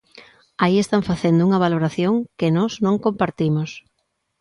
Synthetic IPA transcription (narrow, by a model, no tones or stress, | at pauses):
aiest̪aɱfaθend̪ouŋɐβ̞aloɾaθjoŋkɪnɔznõŋkompaɾt̪imos